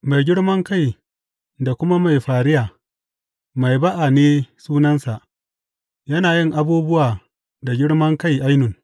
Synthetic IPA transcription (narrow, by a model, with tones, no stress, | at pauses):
ma˨jɡʲɪ˦ɽmɐ˦ŋka˦˨j | da˨kʷʊ˦ma˦ma˨jɸaː˨ɾɪ˦jaː˨ | ma˨jba˦ʔa˨neː˦suː˦nɐ˦nsa˨ʔ | jɐ˦naː˨jɪ˦˨ŋʔa˦buː˦bʊ˦waː˨ | da˨ɡʲɪ˦ɽmɐ˦ŋka˦˨jʔa˦jnʊ˨ŋ